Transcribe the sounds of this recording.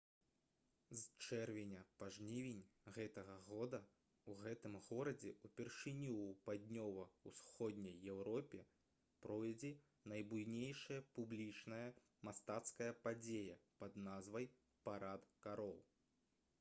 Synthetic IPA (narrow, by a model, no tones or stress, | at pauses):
zt͡ʂɛrvʲɛnʲɐpaʐnʲivʲenʲɣɛt̪ɐɣɐɣɔd̪ɐ | uɣɛt̪ɨmɣɔɾɐd͡zʲɛupʲɛrʂɨnʲiːpad̪ʲnʲɔvɐusxɔd̪ʲnʲɐjːɛwɾɔpʲɛ | pɾɔjɐd͡zʲɛ | nɐjbujnʲejʂɐjɐpublʲit͡ʂnɐjɐ | mast̪at̪skɐjɐpad͡zʲejɐpɐd̪nazvɐj | paɾat̪kaɾɔwˠ